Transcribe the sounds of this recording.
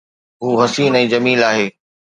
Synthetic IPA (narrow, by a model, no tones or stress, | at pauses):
ɦuːɦɐsiːnɛ̃ːd͡ʑɐmiːlaːɦeː